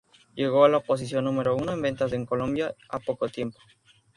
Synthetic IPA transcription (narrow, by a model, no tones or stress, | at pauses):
je̞ɣo̞alaopos̬is̬jo̞nːũme̞ɾo̞unoembe̞nt̪azeŋkolõ̞mbjaa̰po̞kot̪je̞mpo̥